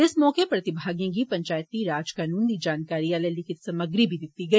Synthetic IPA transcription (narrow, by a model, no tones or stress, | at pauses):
ɪsmɔːkepɾɐt̪ɪbʱaːɡijãɡipɐ̃ɲt͡ʃaːjt̪iɾaːd͡ʒkaːnuːnd̪id͡ʒaːnkaːɾiaːlɛlɪkʰɪt̪sɐməɡɾibʱid̪ɪt̪ːiɡɐi